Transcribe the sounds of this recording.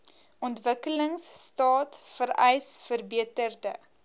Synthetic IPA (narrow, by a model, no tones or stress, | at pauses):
ʔɔntvəkələŋsːtɑːtfəɾɛjsfərbiətərdə̰